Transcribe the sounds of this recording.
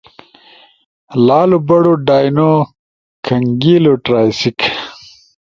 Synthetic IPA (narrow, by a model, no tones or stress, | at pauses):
laːlubɐɽoɖaːjno | kʰɐŋɡiːloʈɾaːjsik